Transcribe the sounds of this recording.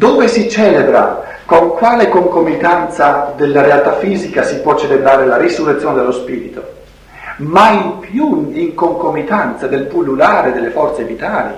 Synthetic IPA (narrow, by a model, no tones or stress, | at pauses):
d̪oːvesit͡ʃɛːlebɾa̰ | koŋkwaːlekoŋkomit̪ant̪sad̪elːaɾealt̪afːiːzikasipwɔt͡ʃːelebɾaːɾelaɾisurːet̪joːned̪elospiːɾit̪o | maipjuiŋkoŋkomit̪ant̪sad̪elpulːulaːɾed̪elːefɔrt̪sevit̪aːlḭ